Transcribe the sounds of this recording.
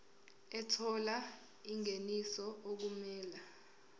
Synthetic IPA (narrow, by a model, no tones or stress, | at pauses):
ɛtʰɔla | iŋenisɔok̬umɛːla